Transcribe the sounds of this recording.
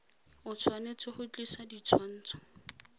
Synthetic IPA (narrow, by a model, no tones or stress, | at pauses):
ʊt͡sʰwanet͡sʼɔhʊt͡ɬʼisadit͡sʰwan̩ːt͡sʰɔ̥